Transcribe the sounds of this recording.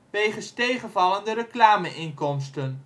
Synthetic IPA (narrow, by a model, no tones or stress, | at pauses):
ʋejχənstejχənvɑləndəɾəklaːməʔɪnkɔmstən